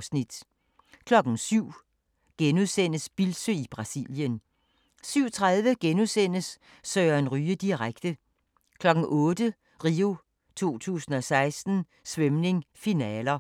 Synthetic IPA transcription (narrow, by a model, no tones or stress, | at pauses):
snid̥ | kʰlɒ̽ɡ̥n̩syʊ̰ | ɡ̥enuðˠsen̰əsb̥ilsøib̥ʁɑ̈sḭljən | syʊ̰t͡sʰʁaðˠʋəɡ̥enusen̰əsː | øːɐe̝nʁyːəd̥iʁaɡ̥d̥ə | kʰlɒ̽ɡ̥n̩ʔɔ̽ːd̥ə | ʁiːo̝ | t͡sʰo̝̰ːt͡sʰṵːsn̩ɒ̽sɑ̈ɪsd̥n̩ | sʋemne̝ŋfinɛːlɐ